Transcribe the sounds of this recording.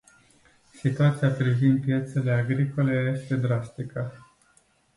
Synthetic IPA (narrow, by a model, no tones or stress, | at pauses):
sit̪uat̪sijapɾivind̪̚pje̞t̪se̞le̞aɡɾiko̞le̞je̞st̪e̞d̪ɾast̪ikə